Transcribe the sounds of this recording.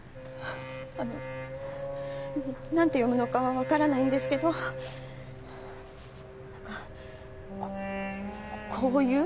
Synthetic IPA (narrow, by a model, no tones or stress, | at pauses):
ano | nãnt̪e̞jo̞mɯ̟no̞kaβaβakaɾanaĩnd̪e̞sɨ̥ke̞d̪o̞ | nãŋka | kʰoːjɯ̟ː